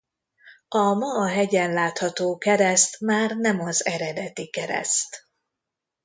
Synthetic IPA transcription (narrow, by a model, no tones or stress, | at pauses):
ɒmɒːɦɛɟɛnlaːt̪hɒt̪oːkɛɾɛst̪maːrnɛmɒzɛɾɛd̪ɛt̪ikɛɾɛ̰st̪